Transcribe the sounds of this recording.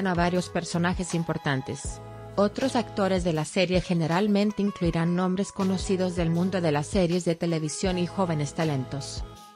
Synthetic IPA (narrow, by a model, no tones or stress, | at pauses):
anaβaɾjo̞spe̞ɾso̞naxe̞simpo̞ɾt̪ant̪e̞̰s | o̞t̪ɾo̞sakt̪o̞ɾe̞zðe̞lase̞ɾje̞xe̞ne̞ɾalmẽnt̪e̞iŋkluiɾanːõ̞mbɾe̞sko̞no̞siðo̞zðe̞lmũnd̪o̞ðe̞lasːeɾje̞zðe̞t̪e̞le̞β̞isjo̞nixo̞βe̞ne̞st̪ale̞nt̪o̞s